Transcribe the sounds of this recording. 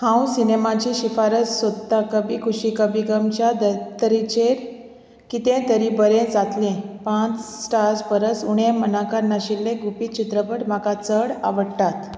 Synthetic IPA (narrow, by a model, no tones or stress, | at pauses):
hʰãwsinemat͡ɕiɕifaɾət͡ssod̪akəbikʰuɕikəbiɡəmt͡ɕjad̪ət̪əɾit͡ɕeɾ | kit̪ẽt̪əɾibəɾẽd͡zat̪lẽpãt͡ssʈaɾd͡zbəɾəsuɽ̃emənakaɾnaɕilːẽɡupiːt͡ɕit̪ɾəpəʈm̤akat͡səɽa̰ʋəɽt̪at̪